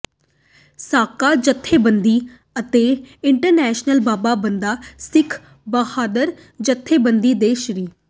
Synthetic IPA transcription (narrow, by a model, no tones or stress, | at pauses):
saːkaːd͡ʒət̪ʰːeːbənd̪iː | ət̪eːɪɳʈəɾnɛːʃnəlbaːbaːbənd̪aːsɪkʰ | bəhaːd̪əɾ | d͡ʒət̪ʰːeːbənd̪iːd̪eːʃɾiː